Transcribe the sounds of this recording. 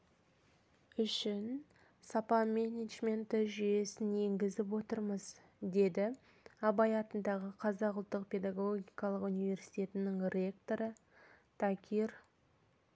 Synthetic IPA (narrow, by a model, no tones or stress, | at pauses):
ʏʃɪn | sɑpɑmʲenʲed̪ʒme̞nt̪ɪʒʏje̞sɪnje̞ŋɡʲɪzɪp̬wo̞t̪əɾməz | d̪e̞d̪ɪ | ɑbɑjɑt̪ənd̪ɑʁəqʰɑzɑqʊlˠt̪ːəq̚pʲe̞d̪ɑɡoɡʲijkɑlˠəqunijve̞ɾsijt̪ʲe̞t̪ɪnɪŋrʲe̞k̚t̪o̞ɾə | t̪ʰakʲʰir